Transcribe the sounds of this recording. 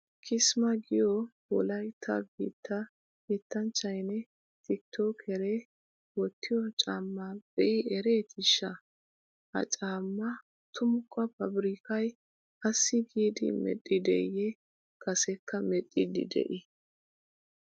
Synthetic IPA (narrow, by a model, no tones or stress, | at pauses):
kʰɪsmɐɡɪjɔ | wɔ̰lɐjt̪ʰɐ̰ɡḭːt̪ʰːɐ | kiːt̪ːɐnt͡ʃːɐjnɛ | t̪ɪt̪ːokʰɛɾɛ | wɔt̪ːɪjɔt͡ʃʼaːmːɐbɛʔɪɛɾeːt̪ʰɪʃːɐ | hɐ̰t͡ʃʼaːmːɐ | t̪ʰʊmʊkːɐpɐbɾɪkɐj | ɐsːɪɡiːd̪ɪ̰mɛ̰tʼːɪd̪ɛ̰jɛ | kɐsɛkʰːɐmɛtʼːɪd̪ɪ̰d̪ɛ̰ʔɪ